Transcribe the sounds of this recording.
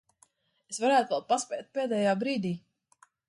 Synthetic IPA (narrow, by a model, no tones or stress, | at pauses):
esvaɾæːt̪uvɛl̚ˠpaspʲɛːt̪̚pɛːd̪ɛːjaːbɾiːd̪iː